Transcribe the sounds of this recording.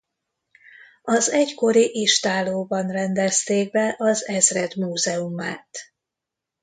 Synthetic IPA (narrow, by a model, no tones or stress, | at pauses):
ɒzɛɟko̞ɾiʔiʃt̪aːloːbɒnrɛnd̪ɛst̪eːɡ̚bɛʔɒzɛzrɛd̪muːzɛumaːt̪